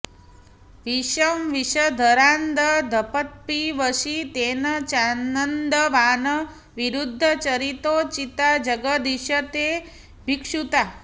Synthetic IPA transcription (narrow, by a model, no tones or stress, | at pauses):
ʋiʃəmʋiʃəd̪ʱəɾand̪əd̪ʱəpət̪̚piʋəʃit̪eːnət͡ʃanənd̪əʋaːnə | ʋiɾud̪ʱːət͡ʃɐɾit̪ot͡ʃit̪ad͡ʒəɡəd̪iʃət̪e | bʱikʂut̪a